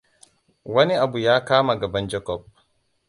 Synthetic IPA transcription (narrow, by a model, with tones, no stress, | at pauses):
wɐ˦ni˦ʔa˨bu˨jaː˦kaː˦ma˨ɡɐ˨bɐ˦nd͡ʒɛ˦kɔ˦˨b̚